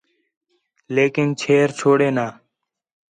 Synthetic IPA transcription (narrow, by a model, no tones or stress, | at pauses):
leːkɪnt͡ʃʰeːɾt͡ʃʰoːɽeːnaː